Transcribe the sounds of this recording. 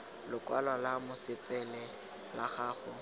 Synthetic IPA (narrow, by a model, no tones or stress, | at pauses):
lʊkʼwalɔlamʊsɪpʼɛlɛ | laχaːχʊ